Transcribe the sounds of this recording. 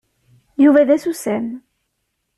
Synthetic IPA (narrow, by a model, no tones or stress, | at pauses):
juvæðæsusæm